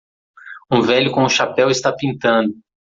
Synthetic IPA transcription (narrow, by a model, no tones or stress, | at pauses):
ũvɛʎʊkõʊʃapɛwɪst̪apĩnt̪ɐ̃nd̪ʊ